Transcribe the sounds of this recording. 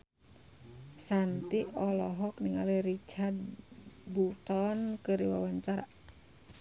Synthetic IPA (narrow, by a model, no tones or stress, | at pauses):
sant̪iɔlɔɦɔkniŋaliɾit͡ʃard̪̚but̪ɔnkəɾiwawaɲt͡ʃaɾa̰